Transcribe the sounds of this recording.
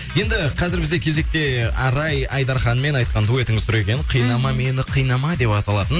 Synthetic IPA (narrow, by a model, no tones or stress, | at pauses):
je̞nd̪ɪqʰɑzɪɾbɪzd̪ekʲʰe̞ze̞k̚t̪e̞ɑɾɑjɑjd̪ɑɾχɑnme̞nɑjt̪̚qɑnd̪ue̞t̪ɪŋɪzsʊɾe̞kʲenqʰəjnɑmɑmenɪqʰəjnɑmɑd̪e̞pɑt̪ɑlˠɑt̪ən